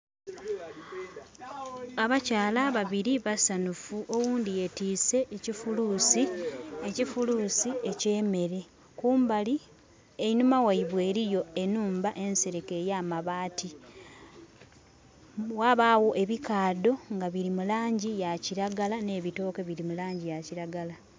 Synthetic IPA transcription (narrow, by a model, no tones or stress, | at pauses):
aβacaːlaβaβiɾiβasanufuʔo̞wuːndije̞tiːse̞ʔːcifulusiecifuluːsiece̞ːme̞ɾe | kuːmbali | e̞inumawaiβwe̞ːɾijo̞e̞nuːmbaʔe̞nse̞ɾeke̞ːjaːmaβaːti | waβaːwo̞ʔe̞βikaːdo̞ŋɡaβiɾimulaːɲɟijaciɾaɡalane̞ːβito̞ːkeβiɾimulaːɲɟijaciɾaɡala